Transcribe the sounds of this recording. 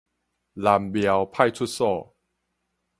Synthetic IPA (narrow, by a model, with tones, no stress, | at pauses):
la˧mbi˧ə˧wpʰa˥˩jtʰu˥˩t̪̚sɔː˥˩